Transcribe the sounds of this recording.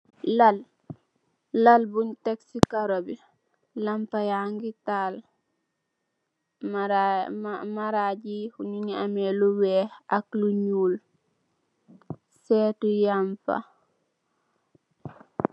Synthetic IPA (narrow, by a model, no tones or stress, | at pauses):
lal | albunteksikaɾobi | lampajaŋɡital | mamaɾaɟihuniŋameluwɛakluɲuːl | sɛːtujampa̰